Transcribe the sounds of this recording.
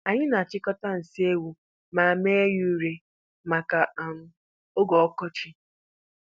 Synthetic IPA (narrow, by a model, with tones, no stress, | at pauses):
a˨ɲɪ˦na˨a˨t͡ʃɪ˦kɔ˦ta˦n̩˨si˦e˦wu˨ | ma˨a˨me˦e˦ju˦ɾe˨ | ma˨ka˨a˨m̩˦ | o˦ɡɔ˨ɔ˦kɔ˦t͡ʃɪ˦